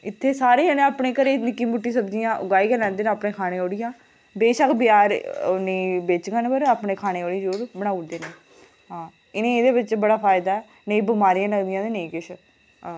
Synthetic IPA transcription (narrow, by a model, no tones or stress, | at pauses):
ɪt̪ʰːeːsaːɾeːə̃nẽaːpɳẽːkəɾeːnɪkːiːmʊʈːiːsəbd͡ʒijãːʔʊɡaːiːkɛːlɛ̃ːnd̪eːnːaːpɳeːkʰaːɽ̃ẽːoːɽɪjãː | beːʃəkʰbɪjaːɾneːbeːt͡ʃɡãːnẽpəɾaːpɳeːkʰaːñeːoːɽĩd͡ʒoːɾbəɽ̃aːud̪eːneː | ɦãː | ɪnẽːeːd̪eːbɪtːt͡ʃːbəɽaːpʰaːɪd̪aːɛː | nəĩːbɪmaːɾijãːləɡd̪ɪjãːd̪eːneĩːkɪʃ | ãː